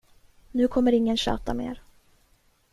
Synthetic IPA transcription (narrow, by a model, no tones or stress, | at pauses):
nʉ̟ːkʰɔmːəɾɪŋːənɕø̰ːt̪amḛːɾ